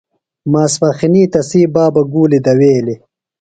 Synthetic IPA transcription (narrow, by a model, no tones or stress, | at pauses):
maːspɐxiniːt̪ɐsiːbaːbɐɡuːlid̪ɐweːli